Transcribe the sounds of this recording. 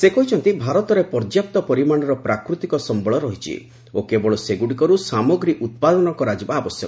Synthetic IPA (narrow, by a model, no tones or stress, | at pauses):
sekɔɦit͡ʃʰɔnt̪ibʱaɾɔt̪ɔɾepɔɾd͡ʒjap̚t̪ɔpɔɾimañɔɾɔpɾakɾut̪ikɔsɔmbɔɭɔɾɔɦit͡ʃʰḭ | okebɔɭɔseɡuɽikɔɾusamɔɡɾiʔut̪̚pad̪ɔnɔkɔɾad͡ʒibaːbɔsjɔk